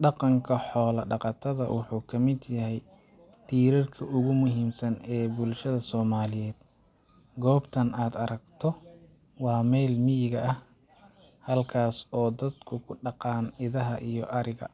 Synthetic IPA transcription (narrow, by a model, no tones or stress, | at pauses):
ɖɑqɑŋkʰɐħɔːlɐɖɑqɑt̪ʰɐðɐ̰wʔʊħuːkʰɐmɪd̪jɐɦɛj | t̪ʰiːɾɐrkʰɐʊɣʊmʊɦiːmsɐnɛːbʊlʃɐðɐsɔːmaːlɪjɛːd̪̥ | ɡɔːbt̪ʰɐnaːd̪ɐɾɐɡt̪ʰɔ | wɑːmɛjlmijɪɣɐʔɐh | hɐlkʰaːsɔːd̪ɐd̪kʰʊkʰʊɖɑqɑːnɪðɐɦɐʔijɔʔɐɾɪɣɐ̰